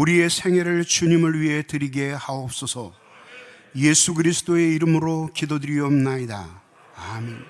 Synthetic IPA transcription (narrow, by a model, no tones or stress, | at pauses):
uɾie̞sʰe̞ŋeɾɯɭt͡ɕuɲimɯɭɥiɦe̞tɯɾiɡe̞haop̚s͈ʌsʰʌ | jesʰuɡɯɾisʰɯ̥t͈oe̞iɾɯmɯɾokidodɯɾiʌmnaida̰ | amen